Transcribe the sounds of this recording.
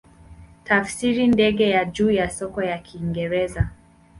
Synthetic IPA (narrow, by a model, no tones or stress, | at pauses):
tafsiɾindɛɡɛjad͡ʒuːjasɔkɔjakʰiːŋɡɛɾɛza